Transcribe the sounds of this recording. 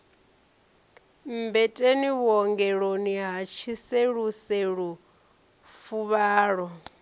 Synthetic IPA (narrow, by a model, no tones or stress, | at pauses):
mbɛtʼeniwɔŋɡɛɺoniɦat͡ʃʰiseɺuseɺu | fuβaːɺɔ